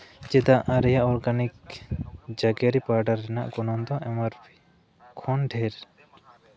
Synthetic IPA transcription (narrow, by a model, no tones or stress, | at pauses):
d͡ʒɛd̪aʔaɾɛjaʔɔɾɡanik | d͡ʒaɡaɾipaɾɖaɾːɛnaʔkɔnɔnd̪ɔʔɛmaɾbi | kʰɔnɖʰʱɛɾ